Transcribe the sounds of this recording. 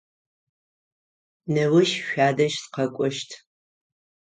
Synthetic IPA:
nɐwɨʃʃʷᶣaːdɐʃsqɐkʷʼɔʃtʰ

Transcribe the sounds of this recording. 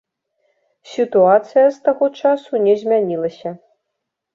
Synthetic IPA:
sʲit̪uat̪sɨjɐst̪aɣɔt͡ʂasunʲɛzʲmʲanʲilˠɐsʲɐ

